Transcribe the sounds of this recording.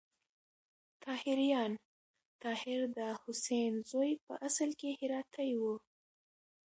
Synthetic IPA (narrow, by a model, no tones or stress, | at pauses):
t̪ʰɑhɪɾjɑn | t̪ɑhɪɾd̪əhʊsenzojpə̰ʔasəlkehɪɾɑt̪ʰajwu